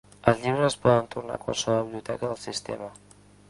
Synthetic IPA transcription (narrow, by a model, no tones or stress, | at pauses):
əlˠzʎiβɾəspɔðənt̪urna̰kwa̰lˠsəβɔβiβliut̪ɛkəðəlˠsist̪ḛmə